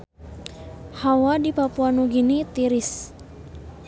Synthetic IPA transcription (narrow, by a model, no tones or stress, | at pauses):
hawadipapuanuɡinit̪iɾis